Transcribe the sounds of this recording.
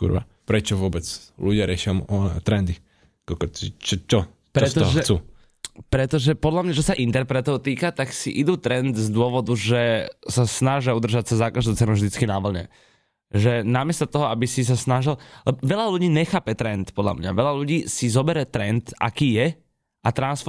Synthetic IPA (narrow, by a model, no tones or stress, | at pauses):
kṵɾʋa̰ | pɾɛt͡ʃɔʋʊɔbɛt͡sluɟɪaɾɪɛʃɪamɔt̪ɾɛnd̪i | kɔkɔt͡ʃit͡ʃɔt͡ʃɔ | pɾɛst̪ɔɦɔʒxɛt͡suː | pɾɛt̪ɔʒɛpɔd̪lamɲat͡ʃɔsaʔint̪ɛɾpɾɛt̪ɔʊt̪iːkat̪aksiʔid̪uːt̪ɾɛnd̪zd̪ʊɔʋɔd̪uʒɛsasnaʒɪaud̪r̩ʒac̚t͡sɛzːaːkaʒd̪ɔʊt͡sɛnuʊʒd̪it͡skinaʋl̩ɲɛ̰ | ʒɛnamɪɛst̪at̪ɔɦɔabisis̬asnaʒillɛbɔʋɛʎaluɟiːɲɛxaːpɛt̪ɾɛnt̪pɔd̪la̰mɲa̰ʋɛʎaluɟiːsizɔbɛɾɛt̪ɾɛnt̪ʔa̰kiːjɛ | ʔat̪ɾansfɔ